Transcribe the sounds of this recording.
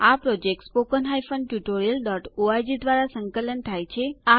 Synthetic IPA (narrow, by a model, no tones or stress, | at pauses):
apɾɔd͡ʒek̚ʈspokənɦajfəɳɖʈjuʈoɾijəlɖɔʈoajd͡ʒid̪ʋaɾasəŋkələnt̪ʰajt͡ʃʰea